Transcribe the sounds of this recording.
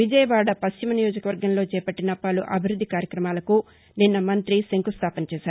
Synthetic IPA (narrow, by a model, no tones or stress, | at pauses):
ʋid͡ʒɐjɐʋaːɽɐpɐʃt͡ʃimɐnijoːd͡ʒɐkɐʋɐɾɡɐnlo̞ːt͡ʃɛːpɐʈːinɐpːaːluʔɐbʱiɾud̪ʱːikaːɾjɐkɾɐmaːlɐku | ninːɐmɐnt̪ɾiseŋkust̪ʰaːpɐnɐt͡ʃɛːʃaːɾ